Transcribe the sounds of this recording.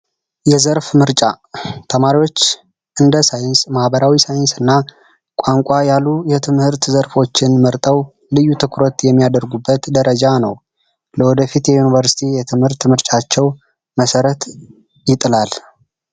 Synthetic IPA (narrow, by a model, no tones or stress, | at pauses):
jɛzəɾfmɨɾt͡ʃʼa | t̪ʰəmaɾiwo̞t͡ʃː | ʔɨnd̪əsajɪnsmahbəɾawisajɪnsɨnːa | kʷʼaŋkʷʼajalːujɛt̪ʰɨmhɨɾt̪zəɾfo̞t͡ʃːɪnməɾt̪ʼəw | lɨjːut̪ʰɨkʰɾot̪jɛmːijad̪əɾɡubːət̪d̪əɾəd͡ʒanə̰w | ləwɔd̪əfit̪jɛjunivəɾsi̥t̪ʰijɛt̪ʰɨmhɨɾt̪mɨɾt͡ʃʼat͡ʃːɛw | məsəɾət̪ | jɪt̪ʼɨlal